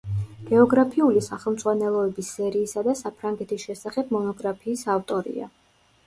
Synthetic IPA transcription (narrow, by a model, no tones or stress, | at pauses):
ɡ̥ɛɔɡɾapʰiulisaχɛlˠmd̪zʼʁwanɛlˠɔɛbisːɛɾiːsad̪asapʰɾaŋɡɛt̪ʰisʃɛsaχɛb̚mɔnɔɡɾapʰiːsaft̪ʼɔɾḭa̰